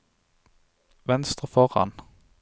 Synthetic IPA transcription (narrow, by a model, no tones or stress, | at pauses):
ʋɛnst̪ʁəfɔʁhɑ̰n